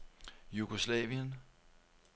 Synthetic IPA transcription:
juɡ̥oslɛʋiən

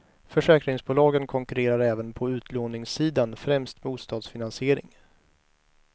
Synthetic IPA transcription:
fœʂɛːkɾɪŋsbuːlɑːɡənkʰɔŋkɵɾeːɾaɾɛːvənpʰɔʉ̟ːt̪ʰloːnɪŋsiːd̪anfɾɛmst̪buːst̪ɑːd̪sfɪnansɪeːɾɪ̰ŋ

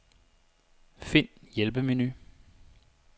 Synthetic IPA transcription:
fe̝n̰jelb̥əme̝ny

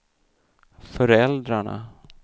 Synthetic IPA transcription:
fœɾɛld̪ɾaɳa̰

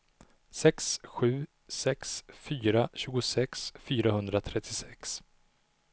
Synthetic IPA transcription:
sɛksɧʉ̟ː | sɛksfyːɾaɕʉ̟ːɡʊsɛksfyːɾahɵnd̪ɾat̪ʰɾɛt̪ʰːɪsɛks

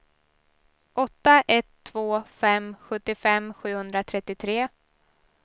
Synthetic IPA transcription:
ʔɔt̪ːaʔɛt̪ʰːv̥oːfɛmɧɵt̪ːɪfɛmɧʉ̟ːhɵnd̪ɾat̪ʰɾɛt̪ːɪt̪ʰɾeː

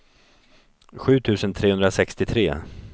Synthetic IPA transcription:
ɧʉ̟ːt̪ʰʉ̟ːsənt̪ʰɾeːhɵnd̪ɾasɛkst̪ɪt̪ʰɾeː

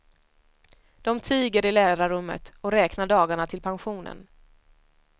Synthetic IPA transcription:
d̪̥ɔmt̪ʰiːɡəɾɪlæːɾaɾɵmːə̰t̪ɔɾɛːknaɖɑːɡaɳat̪ʰɪlpʰanɧuːnə̰n

